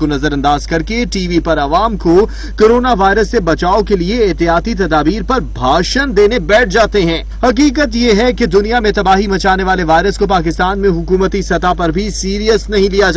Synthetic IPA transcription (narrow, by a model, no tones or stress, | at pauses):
konɐzəɾɐ̃nd̪aːzkɐɾkeʈiːʋipɐɾɐʋaːmko | koːɾoːnaʋaːɪɾəsːebɐt͡ʃaːokelieːɦt̪ɪjaːt̪it̪ɐd̪aːbiːɾpɐɾbʱaːʃənd̪eːnebɛːʈ̚ʰd͡ʒaːt̪eɦɛ̃ː | hɐq̬iːkət̪jeɦɛked̪ʊnijamẽt̪ɐbaːɦimɐt͡ʃaːneʋaːleʋaːɪɾəskopaːkɪst̪aːnmẽɦʊkuːmət̪isɐt̪apɐɾbʱisiːɾijəsnɐɦĩlijad͡ʒ